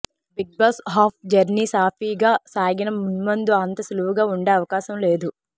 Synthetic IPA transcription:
biɡ̚bɐsɦaːp̚d͡ʒɐɾniːsaːpʰiːɡaːsaːɡinɐmunmɐnd̪uɐnt̪ɐsluʋuɡaːuɳɖeːɐʋɐkaːʃɐmle̞ːd̪u

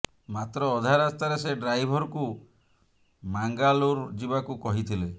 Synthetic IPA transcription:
mat̪ɾɔːd̪ʱaɾast̪aɾeseɖɾajbʱɔɾɔku | maŋɡaluɾd͡ʒibakukɔɦit̪ʰile

